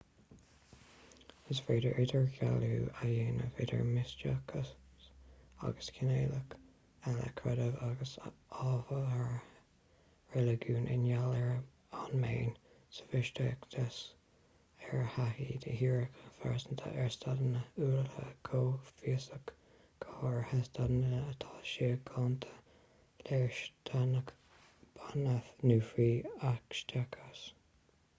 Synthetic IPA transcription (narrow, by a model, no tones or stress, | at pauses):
əsfɹeːdəʔɪdəɹçaluːajeːnə̰vɪdə̰ɹmɪst͡ʃəkʰə | a̰ɡəskʰɪneːlək | alə̰kʰɹɛdəvaɡəsɑːvəhaɹ | ɹɛləɡuːnʔɪ̰njalɛɹ | anmeːn | sə̥fɪʃtəkd̪̥əs | ɛɹhahiːd̪əhiːɹəkʰəfaɹsənt̪ʰə̰ʔɛɹst̪ʰadənəuːlhəkʰoːfiəsək | kʰoːɹhɛst̪adnəːt̪ʰɑːʃiɡʰɑnt̪ʰə̥ | lɛɹʃtʰanək | b̥anəθnuːfiːakʃtʰakʰəs